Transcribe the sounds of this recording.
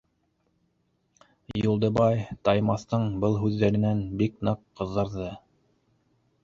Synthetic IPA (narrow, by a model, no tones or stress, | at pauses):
julˠd̪ɤ̆bɑjt̪ɑjmɑθt̪ɤɴbɤlˠɦʉðːæɾɘ̆nænbiknɤqqːɤ̆ðːɑɾðɤ